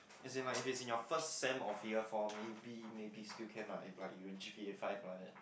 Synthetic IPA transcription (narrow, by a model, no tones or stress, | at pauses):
ɛ̃nsẽŋlaɪifɪtsĩnjɔfəstsɛ̃mɔfjəfɔmebimebistilkʰɛ̃mla̰laɪkjuɛ̃nd͡ʒipiefaɪflaɛt̚